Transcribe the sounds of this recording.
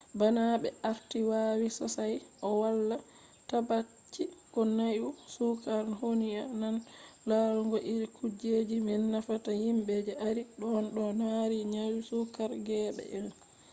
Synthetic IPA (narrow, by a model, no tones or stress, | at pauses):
banaɓɛaɾtiwaːwisɔsajʔɔwalːa | tabat͡ʃːikɔnajusukaɾhoniananlaluŋɡɔʔiɾkud͡ʒed͡ʒimɛnːafatahimbɛd͡ʒɛʔaɾiɗɔnɗɔnaɾiɲajusukaɾɡɛːɓɛ̰ʔɛl